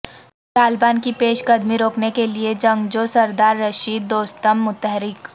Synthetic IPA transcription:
t̪aːlbaːnkipeːʃɡɐd̪miɾoːknekelied͡ʒɐ̃ŋɡd͡ʒoːsɐɾd̪aːɾːɐʃiːd̪̚ːoːst̪əmːʊt̪əɦɾɪk

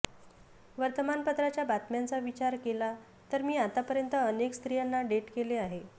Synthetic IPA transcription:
ʋəɾt̪əmanpət̪ɾat͡ɕjabat̪mjant͡saʋit͡ɕaɾkela | t̪əɾmiːat̪apəɾjənt̪əənekst̪ɾijanːaɖeʈkeleaɦe

